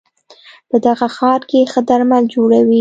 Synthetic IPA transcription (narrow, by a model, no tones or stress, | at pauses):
pəd̪aɣaxɑɾkexəd̪aɾmald͡ʒoɽawi